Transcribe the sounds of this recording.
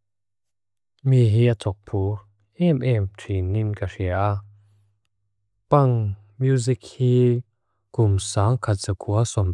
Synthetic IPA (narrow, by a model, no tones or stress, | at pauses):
miɦiat͡sʰɔk̚pʰu | ɛmʔɛmtʰɹinimkaɹiaa | paŋ | mjuzik̚hiː | kumsaːŋkʰat̚zakʰuasɔm